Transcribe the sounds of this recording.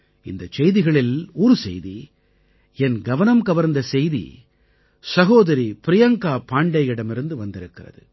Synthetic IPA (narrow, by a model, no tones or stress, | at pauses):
ɪ̰nd̪ɐt͡ʃɛjðɪɣɐɭɪluːɾɯsɛ̰jði | ɛnɡɐʋɐnɐmkɐʋɐɾnd̪ɐsɛjðḭ | sɐɣoːðɐɾipɪɾɪjɐŋkaːpaːɳɖɐɪɪɽɐmɪɾɯnd̪ɯʋɐnd̪ɪɾɯkːɪrɐ̰ðɯ